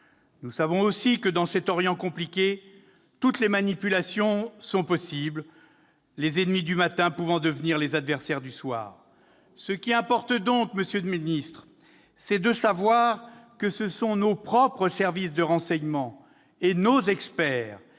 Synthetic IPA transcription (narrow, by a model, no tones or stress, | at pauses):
nusavɔ̃osikəd̪ɑ̃sɛt̪ɔʁjɑ̃kɔ̃plikʲe | t̪ut̪lemanipylasjɔ̃sɔ̃pɔsibl | lezɛnmid̪ymat̪ɛ̃puvɑ̃d̪əvniʁlezad̪vɛʁsɛʁd̪yswa̰ːʁ | səkʲiɛ̃pɔʁt̪d̪ɔ̃kməsjød̪minist̪χ | sɛd̪əsavwaʁkəsəsɔ̃nopχɔpχəsɛʁvisd̪əʁɑ̃sɛɲmɑ̃ | enozɛkspɛːʁ